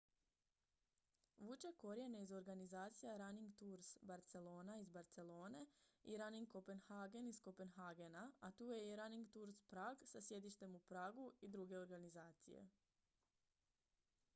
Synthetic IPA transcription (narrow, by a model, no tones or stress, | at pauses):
ʋut͡ʃe̞ko̞ɾjeneizo̞ɾɡanizaːt̪sijaɾaniŋɡt̪uɾsbaɾt̪se̞lo̞ːnaizbaɾt̪se̞lo̞ːneiɾaniŋɡko̞pe̞nxaːɡe̞nisko̞pe̞nɦaɡe̞naat̪uːje̞iɾaniŋɡt̪uɾspɾaːɡsasje̞d̪iʃt̪e̞mupɾaːɡuid̪ɾuɡe̞o̞ɾɡanizaːt̪sḭje̞̰